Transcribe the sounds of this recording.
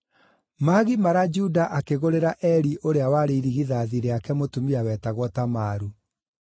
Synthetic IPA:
maɣimaɾad͡ʒudaʔakeɣoɾeɾaʔɛɾiʔoɾeawaɾeiɾiɣiðaːðiɾeakɛmotumiawɛːtaɣwɔtamaɾu

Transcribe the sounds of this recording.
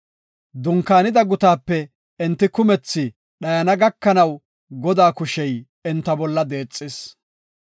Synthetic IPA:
d̪ʊŋkːaːnɪd̪ɐɡʊt̪aːpːɛ | ɛnt̪ːɪkʊmɛt͡sːɪ | ɗɐjɐnɐɡɐkːɐnɐw | ɡɔd̪aːkʊʃɛj | ɛnt̪ːɐbɔlːɐd̪e̞ːt͡sʼːɪs

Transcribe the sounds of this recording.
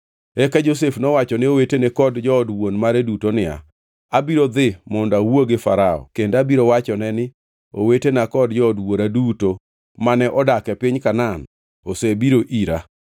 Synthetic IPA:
ɛkad͡ʒosefnɔwat͡ʃɔneowetenɛkɔdd͡ʒɔːdwonmaɾedutonɪa̰ | abiɾod̪ɪmɔndawoɡɪfaɾaɔ̰kendabiɾowat͡ʃɔnɛnɪ | o̰wetenakɔdd͡ʒɔɔdwoɾaduto | manɛʔɔdakɛpɪɲkanan | osebiɾoʔiɾa

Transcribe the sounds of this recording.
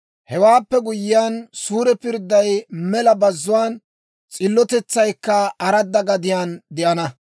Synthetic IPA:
hɛwaːpːɛɡʊjːɪjaːnsuːɾɛpɪɾd̪ːɐjmɛlɐbɐzːʊwaːn | t͡sʼɪlːɔt̪ɛt͡sːɐjkːɐɐɾɐd̪ːɐɡɐd̪ɪjaːnd̪ɪʔɐnɐ

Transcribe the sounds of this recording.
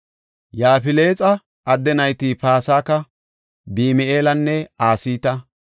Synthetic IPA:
jaːfɪle̞ːt͡sʼɐ | ʔɐd̪ːɛnɐjt̪iːpaːsaːkɐ | biːmɛeːlɐnːɛaːsiːt̪ɐ

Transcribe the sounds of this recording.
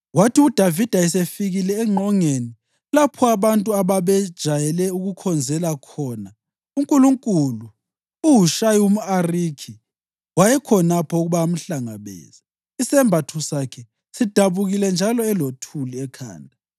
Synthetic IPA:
watʰiud̥ʱavid̥ʱaɛsefiɣilɛːŋ͡ǁʱɔŋeni | lapʰɔaβantʼuaβaβɛd̥ʒ̥ʱajɛlɛuɣukʰɔnd͡zʱɛlakʰɔna | uŋkʼuluŋkʼulu | uɦuʃajiumuarikʰi | wajɛkʰɔnapʰɔuɣuβam̩ɬaŋa̰βḛːzi | isɛmbʱatʰusakʰɛ | sid̥ʱaβuɣilɛnd͡ʒʱalɔɛlotʰuliɛkʰa̰ːndʱa

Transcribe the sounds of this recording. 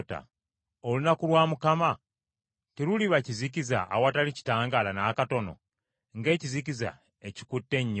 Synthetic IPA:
ta̰ | olunakulwaːmukama | tiluliβaciziciza̰ːwatalici̥taːŋɡalanaːkato̞no̞̰ | ŋɡe̞ːcizikiza̰ | eci̥kutːe̞ɲːo

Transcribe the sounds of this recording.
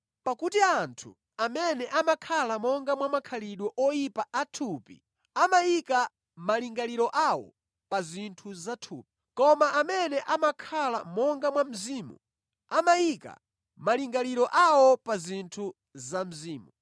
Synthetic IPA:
pakutiantʰṵ | amɛnɛʔamakʰalamɔŋɡamwamakʰaliɗwɛʔɔjipaʔatʰupḭ | amajika | maliŋɡaliɾɔʔawɔ̰ | pazintʰuzatʰṵːp̚i̥kɔmaʔamɛnɛʔamakʰalamɔŋɡamwam̩ziːmṵ | amajika̰ | maliŋɡaliɾɔʔawɔpazintʰu | zam̩ziːmu

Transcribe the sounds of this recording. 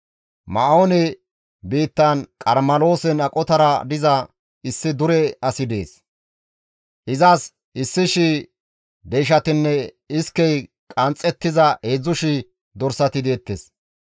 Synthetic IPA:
mɐonɛ | biːt̪ːɐnkʼɐɾmɐlo̞ːsɛnɐkʼɔt̪ɐɾɐd̪ɪzɐ | ɪsːɪd̪ʊɾɛɐsɪd̪e̞̰ːs | ʔɪzaːs | ɪsːɪʃɪ | d̪ɛjʃ̬ɐt̪ɪnːɛ | ɪskːɛj | kʼɐnt͡sʼːɛt̪ːɪzɐʔeːzːʊʃɪ | d̪ɔɾsɐt̪ɪd̪eːt̪ːes

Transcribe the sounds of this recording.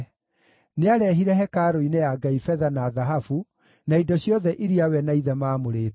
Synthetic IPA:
neaɾɛɦiɾɛɦɛkaːɾoinɛjaɡaifɛðanaðaɦafu | naidɔɕjɔðɛʔiɾiawɛnaiðɛmaːmoɾeːt

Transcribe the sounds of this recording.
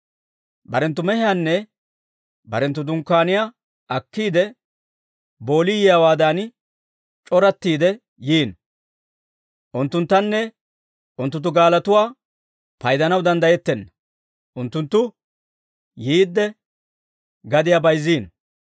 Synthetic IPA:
bɐɾɛnt̪ːʊmɛhɪjanːɛ | bɐɾɛnt̪ːʊd̪ʊŋkːaːnɪja | ʔɐkːiːd̪ɛ | bo̞ːlijɪjawaːd̪aːn | t͡ʃʼɔɾɐt̪ːiːd̪ɛ | jiːn | ʔʊnt̪ːʊnt̪ːɐnːɛ | ʊnt̪ʊnt̪ːʊɡaːlɐt̪ʊwaː | pɐjd̪ɐnɐwd̪ɐnd̪ɐjɛt̪ːɛnːɐ | ʔʊnt̪ːʊnt̪ːʊ | jiːd̪ːɛ | ɡɐd̪ɪjabɐjziːn

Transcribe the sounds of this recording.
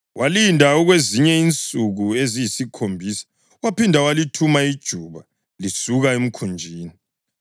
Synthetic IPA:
wʔalindʱauɣweziɲɛint͡sʼuɣuezijisikʰombʱisḁ | wapindʱawalitʰumaid̥ʒ̥ʱuːβa | lisuɣaem̩kʰund͡ʒʱiːni

